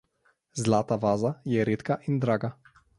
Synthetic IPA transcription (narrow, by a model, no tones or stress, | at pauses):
zlaːt̪aʋaːzajɛɾeːt̪kaʔind̪ɾaːɡa